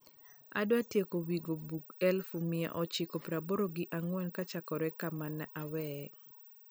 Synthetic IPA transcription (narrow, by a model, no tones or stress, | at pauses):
a̰dwatjekowiɡobukɛlfumɪa̰ʔɔt͡ʃɪkopɾaboɾoɡɪʔaŋwɛnkat͡ʃakɔɾɛkamanaʔawɛ